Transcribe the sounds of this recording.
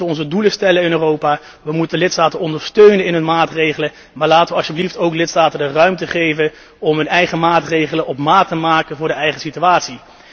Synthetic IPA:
əɔnzəduləstɛlənɪnøːrowpaː | ʋəmutəndəlɪtstaːtənɔndəɹstøɥnənɪnɦɵnmaːtrejχələ | maːɹlaːtəʋəɑʃəbliftowklɪtstaːtəndərœɥmtəχejvən | ɔmɦɵnɛjχəmaːtrejχələnʔɔpmaːtəmaːkənvʊːɹdəɛjχəsityaːtsi

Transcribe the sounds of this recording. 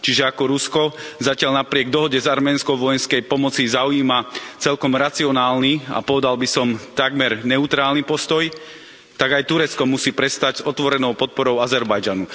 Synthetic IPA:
t͡ʃiʒɛakɔɾuskɔzacɪaʎnapɾɪɛɡ̚d̪ɔɦɔɟɛzaɾmɛːnskɔʋɔjɛnskɛjpɔmɔt͡sizaujiːmat͡sɛlkɔmɾat͡siɔnaːlnia̰pɔʋɛd̪albisɔmt̪aɡmɛɾnɛut̪ɾaːlnipɔst̪ɔj | t̪aɡajt̪uɾɛt͡skɔmusiːpɾɛst̪aɟzɔt̪ʋɔɾɛnɔʊpɔt̪̚pɔɾɔʊazɛɾbajd͡ʒanu

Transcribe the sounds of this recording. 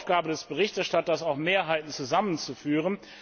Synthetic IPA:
fɡ̥aːbədɛsb̥əʁɪçtɛɐʃtatɐsaʊxmeːɐɦaɪtn̩t͡suzamənt͡sufyːʁən

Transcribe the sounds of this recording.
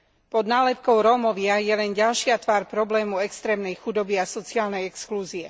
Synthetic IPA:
pɔd̪naːlɛpkɔʊɾɔːmɔʋɪajɛlɛnɟalʃɪat̪ʋaːɾpɾɔblɛːmuɛkst̪ɾɛːmnɛjxud̪ɔbiasɔt͡siaːlnɛjɛkskluːziɛ

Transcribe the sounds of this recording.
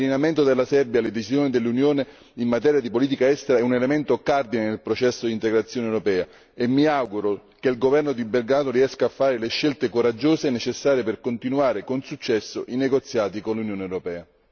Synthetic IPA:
linament̪od̪elːasɛrbjaled̪et͡ʃisjoːnid̪elːunjoːne | imːat̪̬ɛːɾjad̪ipoliːt̪̬ikaɛst̪eɾaɛunelemɛnt̪okard̪inenelpɾot͡ʃɛsːod̪int̪eɡɾat̪sːjoːnewɾopɛːa | emːiawɡuɾokelɡovɛrnod̪ibelɡaːt̪oriɛskaːfːaːɾeleʃːelt̪ekoɾad͡ʒːoːsenet͡ʃesːaːɾjeperkont̪inuaːɾekonsut͡ʃːɛsːo̰ʔineɡot̪sːjaːt̪ikonlunjoːneɛwɾopɛːa

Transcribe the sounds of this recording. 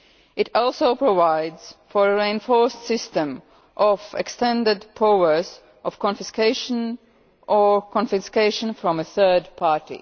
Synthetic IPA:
ʔɪtɔlˠsoʊpɹovaɪdz̥fɔɹəɹiɨ̃nfɔɹstsɪstə̃m | ʔɔvɛkstɛ̃ndɪdpʰoə˞z | ʔɔv̥kɔ̃nfɪskeɪʃə̃n | ʔəkʰɔ̃nfɪskeɪʃə̃nfɹɔ̃məθɜ˞d̚pʰɑɹtḭ

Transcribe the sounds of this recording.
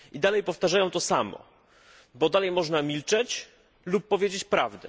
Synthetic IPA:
id̪alɛjpɔft̪aʐajɔ̃w̃t̪ɔsamɔ̰ | bɔd̪alɛjmɔʐnamʲilt͡ʂɛt͡ɕ | lupːɔvʲjed͡ʑet͡ɕpɾavd̪ɛ̰

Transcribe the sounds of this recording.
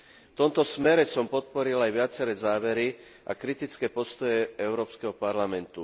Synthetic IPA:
ft̪ɔmt̪ɔsmɛɾɛsɔmpɔt̪̚pɔɾilajʋɪat͡sɛɾɛːzaːʋɛɾi | ʔa̰kɾit̪it͡skɛːpɔst̪ɔjɛɛʊɾɔːpskɛɦɔpaɾlamɛnt̪u

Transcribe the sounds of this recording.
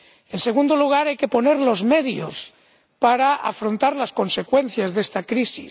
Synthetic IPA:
e̞nseɣ̞und̪oluɣ̞aɾajke̞po̞ne̞ɾlo̞zme̞ðjo̰s | paɾaʔa̰fɾo̞nt̪aɾlasko̞nse̞kwe̞n̟θjazðe̞st̪akɾisḭ

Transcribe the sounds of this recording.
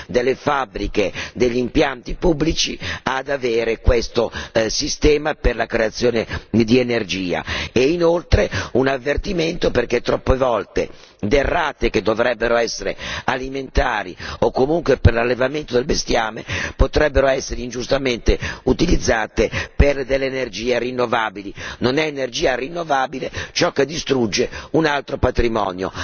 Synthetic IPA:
d̪elːefabːɾiked̪eʎːimpjant̪ipubːlit͡ʃiad̪aveːɾekwest̪osist̪ɛːmaperlakɾeat̪sːjoːned̪ienerd͡ʒiːa̰einolt̪ɾeunavːert̪iment̪operket̪ːɾɔpːevɔlt̪ḛ | d̪erːaːt̪eked̪ːovɾɛbːeɾoɛsːeɾḛaliment̪aːɾḭokːomuŋkweperlalːevament̪od̪elbest̪jaːmepot̪ɾɛbːeɾoɛsːeɾeind͡ʒust̪ament̪eut̪ilid̪zːaːt̪eperd̪elːeːnerd͡ʒiːerinːovaːbilinonɛːnerd͡ʒiːarinːovaːbilet͡ʃɔkːed̪ːist̪ɾud͡ʒːeunalt̪ɾopat̪ɾimɔ̰ːnjo̰

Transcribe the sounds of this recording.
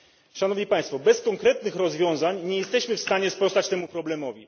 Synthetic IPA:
ʂanɔvɲipaj̃st̪fɔbɛskɔŋkɾɛt̪nɘxɾɔzvʲjɔ̃w̃zaɲɲɛjɛst̪ɛɕmɘfst̪aɲɛspɾɔst̪at͡ɕt̪ɛmupɾɔblɛmɔvʲi

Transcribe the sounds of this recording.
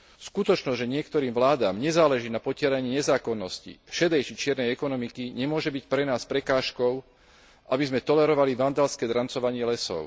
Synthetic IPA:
skut̪ɔt͡ʃnɔzʒɛɲɪɛkt̪ɔɾiːmʋlaːd̪aːmɲɛzaːlɛʒiːnapɔcɪɛɾaɲɪiːɲɛzaːkɔnːɔscḭfʃɛd̪ɛjt͡ʃit͡ʃɪɛɾnɛjɛkɔnɔmikiɲɛmʊɔʒɛbicpɾɛnaːspɾɛkaːʃkɔʊ | ʔabizmɛt̪ɔlɛɾɔʋaliʋand̪alskɛːd̪ɾant͡sɔʋaɲɪɛlɛsɔ̰ʊ

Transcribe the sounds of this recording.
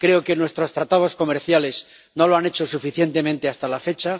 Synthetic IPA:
kɾe̞oke̞nwe̞st̪ɾo̞st̪ɾat̪að̞o̞sko̞meɾθjale̞sz | no̞lo̞ane̞t͡ʃo̞sufiθje̞nt̪e̞mẽnt̪e̞ast̪alafe̞t͡ʃa

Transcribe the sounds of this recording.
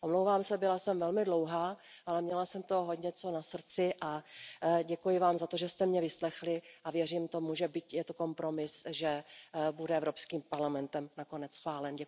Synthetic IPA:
ʔomlowvaːmsɛbɪlasɛmvɛlmɪdlo̞wɦaː | ʔalɛmɲɛlasɛmt̪oɦodɲɛt͡so̞nasr̩t͡sɪʔa | ɟɛkujɪvaːmzat̪o̞ʒɛst̪ɛmɲɛvɪslɛxlɪʔavjɛriːmt̪o̞muʒɛbit̪jɛt̪oko̞mpɾo̞mɪsʒɛbudɛɛvɾo̞pskiːmpaɾlamɛnt̪ɛmnako̞nɛt͡ssxvaːlɛnɟɛ

